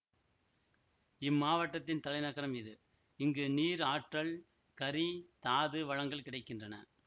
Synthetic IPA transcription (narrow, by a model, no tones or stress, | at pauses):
ɪmːaːʋɐʈːɐt̪ːɪnt̪ɐlɐɪnɐɣɐɾɐmɪðɯ | ɪŋɡɯniːɾaːʈrɐɭ | kɐɾit̪aːðɯʋɐɻɐŋɡɐɭkɪɽɐɪkːɪndrɐnɐ̰